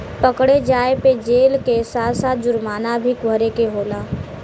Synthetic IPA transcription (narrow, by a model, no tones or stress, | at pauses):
pəkɽed͡ʒaːeped͡ʒeːlkesaːt̪saːt̪̚d͡ʒʊɾmaːnabʱikʊɦɾekeɦoːlaː